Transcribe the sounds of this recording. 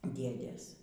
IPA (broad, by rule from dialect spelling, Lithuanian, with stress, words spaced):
ˈdʲeːdʲeːs